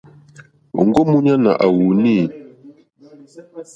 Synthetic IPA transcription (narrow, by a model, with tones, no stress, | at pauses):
o̰˨ŋɡɔ˦mu˦ɲa˦na̰˨ʔa˨wu˨ni˦˨